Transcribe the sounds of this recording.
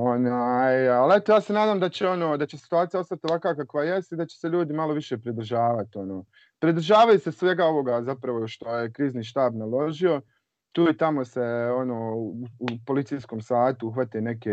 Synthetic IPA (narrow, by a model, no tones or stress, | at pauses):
o̞najalet̪ojaːsenaːd̪aːmd̪at͡ɕeo̞noːd̪at͡ɕesi̥t̪uaːt̪ijao̞st̪at̪ioʋakaːkakʋajest̪id̪at͡ɕe̥seʎuːd̪imalˠo̞ʋiʃe̞ːpɾid̪r̩ʒaːʋat̪io̞noː | pɾid̪r̩ʒaːʋajusesʋe̞ɡao̞ʋo̞ɡazapɾaʋo̞ʃt̪o̞jekɾiːzniːʃt̪aːbnalo̞ʒio̞ | t̪uːit̪amo̞seo̞noːuupo̞lit̪iːjsko̞ːmsaːt̪uuxʋat̪ene̞ke